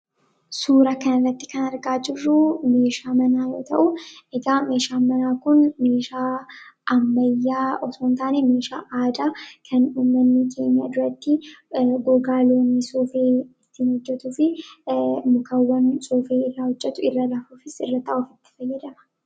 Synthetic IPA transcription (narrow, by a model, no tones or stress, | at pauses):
suːɾɐkɐnɐrːɐt̪ːɪ̥kɐnɐɾɡaːd͡ʒɪrːʊme̞ːʃaːmɐnaːjo̰ːt̪ʰɐʔʊʔɛɡaːme̞ːʃaːmɐnaːkʊnme̞ːʃaːʔɐmːɐjːaːʔɔsoːnt̪aːneːmeːʃa̰ːʔaːd̪aːkʰɐnuːmːɐnːɪkʰe̞ːɲɪja̰ːd̪ʊɾɐt̪ːɪɡɔɡaːloːnːɪsoːfeːɪt̪ːiːnhɔd͡ʒːɛt̪ufɪ | mʊkɐwːɐnsʼoːfeːɪrːahɔd͡ʒːɛt̪ʊɪrːɐlafuːfɪsɪrːɐt̪ɐʔʊfɪt̪ːɪ̥fɐjːɛd̪ɐmɐ̥